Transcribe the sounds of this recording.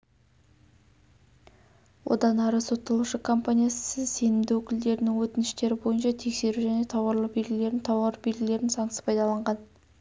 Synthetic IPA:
wo̞̰d̪ɑnɑɾəso̞t̪ːɑlˠuʃəkʰo̞mpanʲijasəzse̞nɪmd̪ɪwɵkʲɪld̪e̞ɾɪnɪŋwɵt̪ɪnɪʃt̪e̞ɾɪbo̞jənʃɑt̪ʰe̞kse̞ɾuʒæne̞t̪ʰɑwɑɾlˠəbe̞lɡʲɪle̞ɾɪnt̪ʰɑwɑɾbe̞lɡʲɪle̞ɾɪnzɑɴsə̥pʰɑjd̪ɑlˠɑɴʁɑn

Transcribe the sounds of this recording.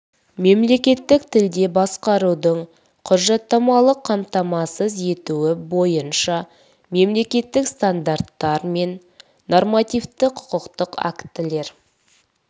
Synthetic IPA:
me̞mle̞kʲe̞t̪ːɪkt̪ʰɪld̪e̞bɑsqɑɾud̪əɴ | qʰʊɾʒɑt̪ːɑmɑlˠəqʰːɑmt̪ɑmɑsəze̞t̪uwɪbo̞jənʃɑ | me̞mle̞kʲe̞t̪ːɪkst̪and̪art̪ːɑɾme̞nː | o̞rmat̪ijft̪ɪqʰʊ̥qəqt̪əqa̰kt̪ɪle̞ɾ

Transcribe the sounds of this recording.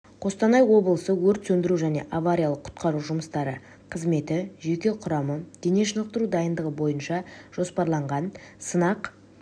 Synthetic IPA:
qʰo̞st̪ɑnɑjwo̞blˠəsəwɵɾt̪sɵnd̪ɪɾuʒæne̞̰ʔavaɾʲijalˠəqʰʊ̥t̪qɑɾuʒʊməst̪ɑɾə̰ | qʰəzme̞t̪ɪʒe̞kʲe̞qʰʊɾɑməd̪̥e̞neʃənəq̚t̪əɾud̪ɑjənd̪əʁəbo̞jənʃɑʒ̥o̞spɑɾlˠɑɴʁɑnsənɑq

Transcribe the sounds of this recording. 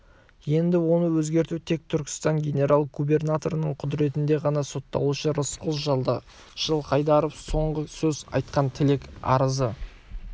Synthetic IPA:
je̞nd̪ɪwo̞nəwɵzɡʲe̞ɾt̪ut̪ʰe̞k̚t̪ʰʏɾkʲɪ̥st̪ɑŋɡʲe̞nʲe̞ɾalˠɡube̞rnat̪o̞ɾənəɴqʰʊd̪ɾe̞t̪ɪnd̪e̞ʁɑnɑso̞t̪ːɑ̰wuʃəɾəsqʊlˠʒɑlˠd̪ə | ʒ̥əlˠqɑjd̪ɑɾofso̞ɴʁəsɵzɑ̰jt̪̚qɑnt̪ʰɪlekɑ̰ɾəzə

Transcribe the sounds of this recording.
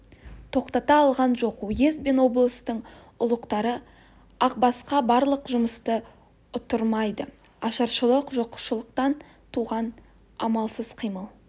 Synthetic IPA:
t̪ʰo̞qt̪ɑt̪ɑːlˠʁɑnʒo̞qujezbe̞nwo̞blˠəst̪əɴ | ʊlˠəqt̪ɑɾə | ɑq̚bɑsqɑbɑɾlˠəqʒʊməst̪ə | ʊt̪əɾmɑjd̪ə | ɑʃɑɾʃəlˠəqʒo̞qə̥ʃəlˠəq̚t̪ɑn | t̪ʰuʁɑn | ɑmɑlˠsəz̥qʰijməlˠ

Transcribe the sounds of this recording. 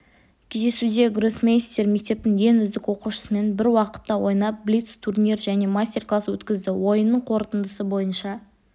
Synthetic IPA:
kʲʰe̞zd̪e̞sud̪e̞ɡɾosmʲejst̪e̞ɾme̞k̚t̪e̞p̚t̪ɪŋje̞nʏzd̪ɪkwo̞quʃə̥səme̞nbɪɾwɑqə̥t̪ːɑwo̞jnɑp̚blit̪st̪ʰurnʲirʒæne̞masʲtʲe̞rklˠaswɵt̪kʲɪzd̪ɪwo̞jənːəɴqʰo̞ɾt̪ənd̪əsəbo̞jənʃɑ

